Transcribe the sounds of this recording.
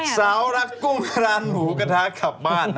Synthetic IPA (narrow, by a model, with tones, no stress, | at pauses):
saː˩˦wɾa˦˥t̚ku˥˩ŋkʰɾaː˧nmuː˩˦ka˧tʰaː˦˥kʰa˨˩p̚maː˥˩n